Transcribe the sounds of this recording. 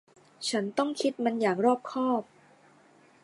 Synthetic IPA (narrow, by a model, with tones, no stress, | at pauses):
t͡ɕʰa˦˥nt̪ɔ˥˩ŋkʰi˦˥t̪̚ma˧njaː˨˩ŋɾɔː˥˩p̚kʰɔː˥˩p̚